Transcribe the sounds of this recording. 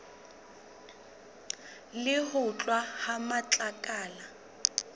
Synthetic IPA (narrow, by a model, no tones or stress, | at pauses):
lɪhʊt͡ɬʼwahamat͡ɬʼakʼaːla